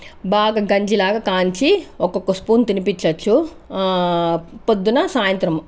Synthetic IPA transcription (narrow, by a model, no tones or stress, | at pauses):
baːɡɐɡɐɲd͡ʒilaːɡɐkaːɲt͡ʃiɔkːɔkːɐspuːnt̪inipit͡ʃːɐt͡ʃːu | pod̪ːunɐsaːjɐnt̪ɾɐm